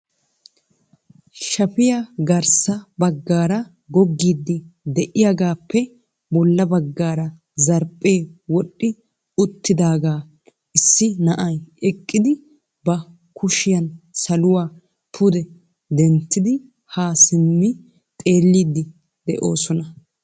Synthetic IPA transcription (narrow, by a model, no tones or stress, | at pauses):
ʃɐpɪjɐɡɐɾsɐbɐɡːaːɾɐ | ɡɔɡːiːd̪ːɪd̪ɛʔɪjaɡaːpːɛ | bɔlːɐbɐɡːaːɾɐ | zɐɾpʼːe̞ːwɔɗʼːɪ | ʊt̪ːɪd̪aːɡaː | ɪsːɪnɐʔɐjɛkʼːɪd̪ɪ | bɐ | kʰʊʃɪjɐnsɐlʊwaː | pʰʊd̪ɛ | d̪ɛnt̪ːɪd̪ɪ | haːsɪmːɪ | t̪ʼe̞ːlːiːd̪ːɪ | d̪̥ɛ̰ʔo̞ːsɔnɐ